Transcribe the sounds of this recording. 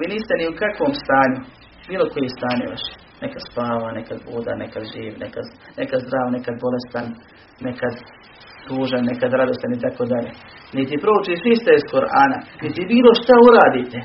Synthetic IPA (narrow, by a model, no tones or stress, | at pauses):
ʋiːniːst̪eniukakʋoːmst̪aːɲu | biːlˠo̞kojest̪aːɲḛʋa̰ʃ | nekad̪spaːʋanekad̪buːd̪a̰nekad̪ʒiːʋnḛkad̪nekad̪zd̪ɾaːʋnekad̪bo̞le̞st̪anː | ekad̪ | suːʒanːekad̪ɾad̪o̞st̪anit̪akoːd̪aʎe | nit̪̬ipɾo̞ut͡ʃiʃist̪eiskoɾʔa̰ːna̰nit̪ibiːlˠoʃt̪auɾaːd̪iːt̪e